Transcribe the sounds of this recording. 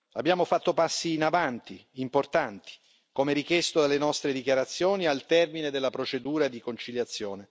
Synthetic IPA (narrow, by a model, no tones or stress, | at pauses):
abːjaːmofat̪ːopasːiːnavant̪iːmport̪ant̪i̥ | komeɾikjɛst̪od̪alːenɔst̪ɾed̪ikjaɾat̪sːjoːnialt̪ɛrmined̪elːapɾot͡ʃed̪uːɾad̪ikont͡ʃiljat̪sːjoːne